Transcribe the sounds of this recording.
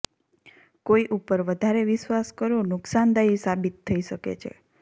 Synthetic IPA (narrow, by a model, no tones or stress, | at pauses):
koiʔupəɾʋəd̪ʱaɾeʋɪʃʋaskəɾonʊksand̪aisabit̪ʰːəiʃəkḛt͡ʃʰḛ